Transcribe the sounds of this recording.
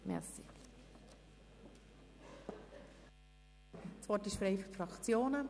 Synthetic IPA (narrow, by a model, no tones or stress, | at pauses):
mɛ̰ʁsi | sʋɔtɪʃfɾeɪfytfɾɑkt͡sjoːnə